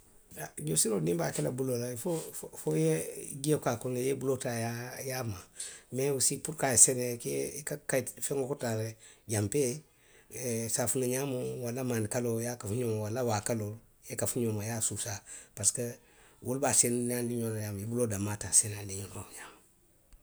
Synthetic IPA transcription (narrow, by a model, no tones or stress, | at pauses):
aɲosiɾonimbaːkelabulolafofojeɡiekakunejebulotajajamamewusipuɾkasenekeikakajfeŋokotaɾeɟampe | safunaɲamowalamaːndikalojakafuɲomowalawaːkalol | jekafuɲomajasusapaskə | wulbasennandiɲolajamjebulodamatasenadiɲonoɲama